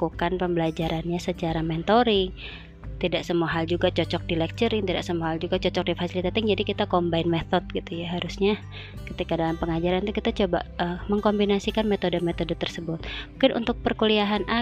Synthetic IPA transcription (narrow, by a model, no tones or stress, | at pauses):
kukanpəmbəlad͡ʒaɾanɲasət͡ʃaɾamɛnt̪oɾi | t̪idaʔsəmuaɦald͡ʒuɡat͡ʃɔt͡ʃɔk̚dilɛk̚t͡ʃəɾɪŋt̪idaʔsəmuaɦald͡ʒuɡat͡ʃɔt͡ʃɔk̚difasilit̪at̪ɪŋd͡ʒadikit̪akɔmbaɪnmet̪ɔt̪̚ɡ̥it̪ujaɦaɾusɲa | kət̪ikadalampəŋad͡ʒaɾant̪ukit̪at͡ʃoba̰ʔəməŋkombinasikanmɛt̪odəmɛt̪odət̪ərsəbʊt̪̚muŋkɪnʔṵnt̪ʊk̚pərkuliaɦanʔa